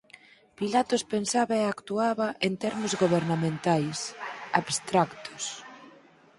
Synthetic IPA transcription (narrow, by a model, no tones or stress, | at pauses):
pilat̪ʊspensaβaeakt̪uaβaʔent̪ɛɾmʊzɣoβeɾnamẽnt̪ajsaβst̪ɾakt̪ʊ̥s